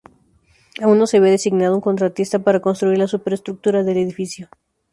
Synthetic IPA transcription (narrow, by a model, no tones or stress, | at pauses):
aunːose̞βeðe̞siɡnaðuŋko̞nt̪ɾat̪ist̪apaɾako̞nst̪ɾuiɾlasupeɾest̪ɾuk̚t̪uɾaðe̞leðifisjo̞